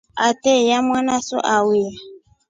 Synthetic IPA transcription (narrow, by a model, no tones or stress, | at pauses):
atɛjamwanasɔ̰ʔawia